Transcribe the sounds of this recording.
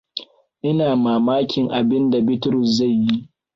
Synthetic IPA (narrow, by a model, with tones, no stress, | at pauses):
ʔɪ˦naː˨maː˨maː˦kʲɪ˨ŋʔa˨bɪ˦nda˨bɪ˦tɾʊ˨sza˦˨jːi˦ʔ